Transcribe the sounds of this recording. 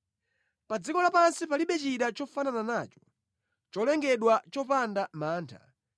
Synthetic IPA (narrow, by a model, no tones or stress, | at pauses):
pad͡zikɔlapansipaliɓɛt͡ʃiɗat͡ʃɔfanananaːt͡ʃɔ̥ | t͡ʃɔlɛŋɡɛɗwat͡ʃɔpandamaːntʰa̰